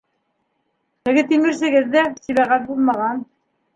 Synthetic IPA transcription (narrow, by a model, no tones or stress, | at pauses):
hɘ̆ɡɘt̪imɘ̆ɾsɘ̆ɡɘðːæsiβæʁæt̪̚bulˠmɑʁɑn